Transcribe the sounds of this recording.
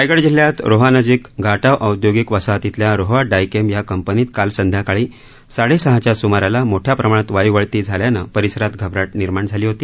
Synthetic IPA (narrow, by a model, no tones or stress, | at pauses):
ajɡəɽd͡ʑiljat̪ɾoɦanəd͡ʑikɡʱaʈaʋʔəd̪joɡikʋəsat̪it̪ljaɾoɦaɖajkemjakəmpəniːt̪kalsənd̪ʱjakaɭiː | saɽ̤esəɦat͡ɕjasumaɾalamoʈʰjapɾəmaɳ̃ət̪ʋajiʋəɭt̪iːd͡zʱaljanapəɾisəɾat̪ɡʱəbɾaʈ̚niɾmaɳd͡zʱaliːɦot̪iː